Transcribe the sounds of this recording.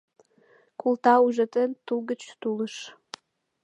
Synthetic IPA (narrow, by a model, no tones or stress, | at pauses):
kʰʷultʰauʐɐtʰʼɨntʰulɡɨt͡ʃʰtʰulɨʂ